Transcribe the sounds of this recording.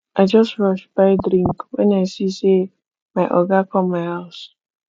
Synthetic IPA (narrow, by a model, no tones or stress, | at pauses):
aɪd͡ʒʌstɹɔʃbaɪdɾĩŋkwenaɪsise | maɪʔɔɡakɔmaɪɦaʊs